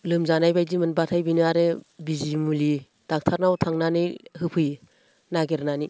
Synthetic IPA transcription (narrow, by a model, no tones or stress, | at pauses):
lɯmzanajbajdimɯnbatʰajbinaɾɯbizimuli | d̥ak̚tʰaɾnawtʰaŋnanɯjhɯpʰɯj | naɡeɾnani